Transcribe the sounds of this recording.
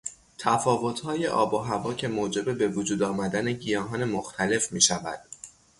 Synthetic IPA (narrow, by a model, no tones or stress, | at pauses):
t̪ʰæfɒːvo̞t̪ʰhɒːje̞ʔɒ̰ːboɦævɒːcʰe̞moːd͡ʒe̞be̞be̞vod͡ʒuːd̪ɒːmæd̪æne̞ɟijɒːɦɒːne̞moxt̪ʰæle̞fmiːʃævæ̰d̪̥